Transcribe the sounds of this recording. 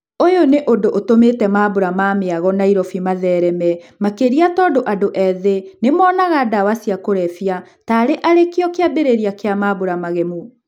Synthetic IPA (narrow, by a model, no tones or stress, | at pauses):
ojoneʔodoʔotometɛmaːboɾamameaɣɔnaiɾɔfimaðɛːɾɛmɛmakeɾiatɔːdoʔadoʔɛðenemɔnaɣadawasijakoɾɛfia | taːɾeʔaɾekeɔkeabeɾeɾiakeamaːboɾamaɣɛmu